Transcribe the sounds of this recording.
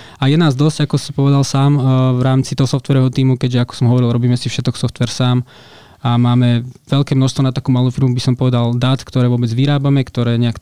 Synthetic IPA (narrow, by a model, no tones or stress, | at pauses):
ajɛnaːzd̪ɔz̥akɔsɔpɔʋɛd̪alsaːmʋɾaːmt͡sit̪ɔɦɔsɔft̪ʋɛɾɔɦɔt̪iːmukɛɟʒɛakɔ̥sɔmɔʋɔɾilˠɾɔbiːmɛsifʃɛt̪kɔksɔft̪ʋɛɾsaːm | amaːmɛʋɛʎlkɛːmnɔʃst̪ʋɔnat̪akuːmaluːfiɾmubisɔmpɔʋɛd̪ald̪aːt̪kt̪ɔɾɛːʋɔbɛd͡zʋiɾaːbamɛkt̪ɔɾɛːɲɛak